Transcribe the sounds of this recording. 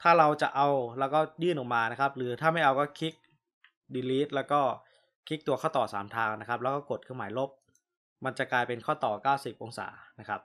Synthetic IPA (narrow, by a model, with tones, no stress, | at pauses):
t̪ʰaː˥˩ɾa˧wt͡ɕa̰˨˩ʔa˧wlɛː˦˥wkɔː˥˩jɯː˥˩nʔɔː˨˩kmaː˧na˦˥kʰa˦˥p̚ɾɯː˩˦t̪ʰaː˥˩ma˥˩jʔa˧wkɔː˥˩kʰi˦˥k̚ | diː˧liː˦˥t̪̚lɛː˦˥wkɔː˥˩ | kʰi˦˥k̚t̪u˧ɐkʰaː˥˩wt̪ɔː˨˩saː˩˦mt̪ʰaː˧ŋna˦˥kʰa˦˥p̚lɛ˦˥kɔː˥˩ko˨˩t̪̚kʰɯ˥˩maː˩˦jlo˦˥p̚ | ma˧nt͡ɕa˨˩klaː˧jpe˧nkʰɔː˥˩t̪ɔː˨˩kaː˥˩wsi˨˩p̚ʔo˧ŋsa̰ː˩˦na˦˥kʰa˦˥p̚